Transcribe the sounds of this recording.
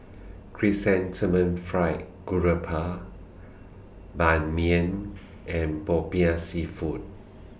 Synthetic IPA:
kʰɹisɛ̃ntʰəmə̃nfɹaɪt̚ | ɡ̥uɹəpʰa | bãnmiə̃n | ʔɛ̃nbɔpĩãsifut̚

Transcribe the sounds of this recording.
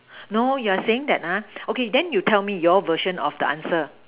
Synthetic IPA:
nojuaseɪ̃ŋdɛ̰t̚aokedɛ̃njutʰɛlmijɔvəʃə̃nɔ̰fdəʔã̰nsə

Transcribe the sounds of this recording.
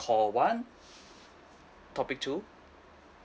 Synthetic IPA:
kʰɔːwan | t̪ʰɔpik̚t̪ʰuː

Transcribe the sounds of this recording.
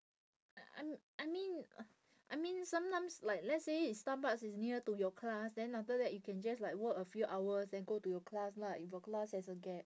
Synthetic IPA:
ʔaa̰ʔaɪmĩn | ʔaɪmĩnsãmtãɪ̃mslaɪk̚lɛtseistabasisniətujɔkʰlasdɛ̃nafdədɛt̚jukʰɛ̃nd͡ʒaslaɪkwəkəfjuʔawəsdɛ̃nɡotujɔkʰlasnaifjɔklashɛsəɡɛt̚

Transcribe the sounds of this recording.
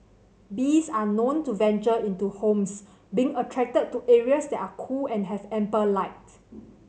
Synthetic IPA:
bisanõntuvɛ̃nt͡ʃəĩntuhõms | bĩːŋətʰɹɛk̚təd̚tːuʔɛɹiəsdɛtakʰulɛ̃nɦɛvɛ̃mpəlaɪt

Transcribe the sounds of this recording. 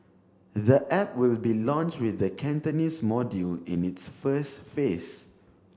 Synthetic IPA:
ðəʔɛp̚wilbilɔ̃nt͡ʃwɪθəkʰɛ̃ntənismɔdjulḭ̃nitsfəsfes

